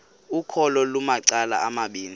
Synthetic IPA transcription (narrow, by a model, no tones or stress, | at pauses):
ukʰɔlɔlumaǀala̰amaɓiːni